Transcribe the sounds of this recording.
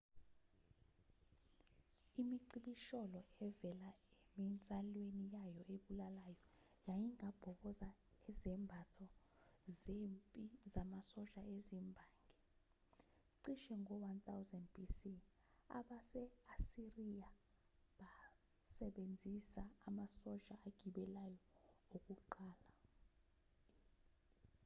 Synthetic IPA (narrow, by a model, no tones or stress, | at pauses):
imiǀiɓiʃɔlɔɛvɛlaemint͡sʼalwenijajɔeɓulalajɔ | jajiŋab̥ʱɔɓɔzaɛzɛmbʱatʰɔ | zempʼizamasɔʃaezimbʱaːŋɡɛ | ǀiʃɛŋʱɔwant̪ʰʼawzɛnd̚b̥isi | a̰ɓasɛasirijaɓa | sɛɓend͡zʱisaːmasɔt͡ʃʼaʔːɡ̥ʱiɓɛlajɔok̬ʼuǃaːla